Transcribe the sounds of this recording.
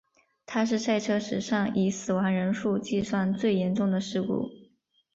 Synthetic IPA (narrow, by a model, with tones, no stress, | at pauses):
t̪ʰa˥ʂ̬ɻ̩˥˧sa˥˩ɪʈ͡ʂʰɤ˥ʂɻ̩˨˩ʂɑ˥˩ŋʔi˧˥sɹ̩˨˩wa˧˥ŋɻə˧˥nʂu˥˧t͡ɕi˥˧swa˥˧nt͡swe˥˩ɪjɛ˧˥nʈ͡ʂʊ˥˩ŋd̪ə˩ʂɻ̩˥˧kṵ˥˩